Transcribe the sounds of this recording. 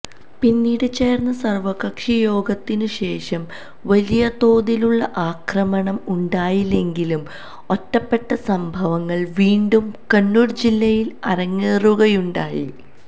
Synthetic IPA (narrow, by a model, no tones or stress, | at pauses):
pinːiːɽɨt͡ɕeːrnːɐsɐrʋɐɣɐkʂijo̞ːɡɐt̪ːinɨɕe̞ːʂɐm | ʋɐlijɐt̪o̞ːðiluɭːɐʔaːkrɐmɐɳɐmuɳɖaːjile̞ŋɡilum | o̞tːɐpːe̞ʈːɐsɐmbʱɐʋɐŋːɐɭʋiːɳɖumkɐnːuːɽd͡ʑilːɐjilɐ̰ɾɐŋːeːruɣɐjuɳɖaːjḭ